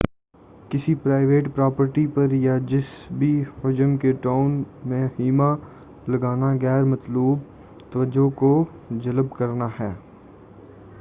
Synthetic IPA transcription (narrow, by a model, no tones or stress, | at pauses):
kɪsipɾaːɪʋeːʈpɾaːpəɾʈipɐɾjad͡ʒɪsbʱiʊd͡ʒəmkeʈaːʊnmẽɦiːma | lɐɡaːnaɡɛːɾmɐt̪luːb̚ | t̪ɐʋəd͡ʒõko | d͡ʒɐləbkɐɾnaɦɛː